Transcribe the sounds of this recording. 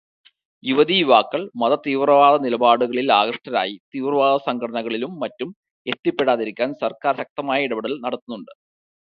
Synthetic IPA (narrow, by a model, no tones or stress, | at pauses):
juʋɐðijuʋaːkːɐɭmɐðɐt̪iːʋrɐʋaːðɐnilɐbaːɽuɣɐɭilaːɣrɐʂʈɐɾa̰ːjit̪iːʋrɐʋaːðɐsɐŋɡʰɐɽɐɳɐɣɐɭilumːɐtːum | e̞t̪ːipːe̞ɽaːðiɾikʲːaːnsɐrkaːɾrɕɐk̚t̪ɐmaːjɐiɽɐbiɽɐlnɐɽɐt̪ːunːuɳɖɨ̥